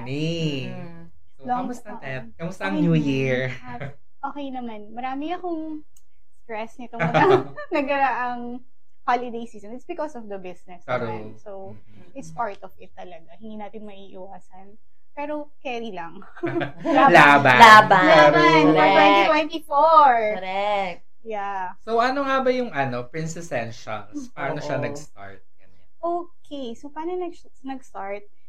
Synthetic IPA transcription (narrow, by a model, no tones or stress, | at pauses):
ni | lomʊst̪ɐt̪ɐkɐmʊst̪ɐɐŋnujiɹ | ʔoːkɛjnɐmanmɐɾaːmɪŋɐkoŋ | st̪ɾɛsnɪt̪oɐɡa | nɐɡɐɾaʔɐŋ | holɪd̪ejsiːsɔ̃nɪt̪sbɪkɔsɔfd̪ɐbɪsnɛs | sow | ɪt̪spaɹt̪ɔvɪt̪ːɐlɐɡahɪ̃nd̪iːnaːt̪ɪnmɐʔiːʔɪwaːsɐn | pɛːɾo̞ | kɛːɾilɐŋ | laːbalaːbalabat̪wɛniwɛnt̪ifoɹɛk | jasowɐnoŋabɐjʊŋɐno̞pɹinsɪsɛnʃo̰nspaːɾɐnoʃanɐɡst̪a̰ɹt̪̚ɡ̥ɐnɛʔoːkʰesopaːɾnonɐɡ | nɐɡst̪aɹt̪̚